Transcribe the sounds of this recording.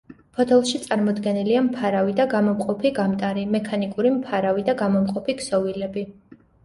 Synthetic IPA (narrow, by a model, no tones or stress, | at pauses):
pʰɔt̪ʰɛlˠʃit̪sʼaɾmɔd̪ɡɛniliampʰaɾavid̪aɡamɔmqʼɔpʰiɡamt̪ʼaɾimɛkʰanikʼuɾimpʰaɾavid̪aɡamɔmqʼɔpʰiksɔvilɛbi